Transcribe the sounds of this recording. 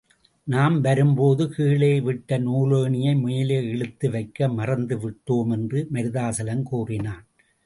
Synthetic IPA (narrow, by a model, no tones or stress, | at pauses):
naːmʋɐɾɯmpoːðɯkiːɭeːʋɪʈːɐnuːloːɳɪjɐɪmʊjɪleːɛɭɯt̪ːɯʋɐɪkːɐmɐrɐnd̪ɯʋɪʈːoːmɛndrɯmɐɾɯðaːsɐlɐmkuːrɪnaːn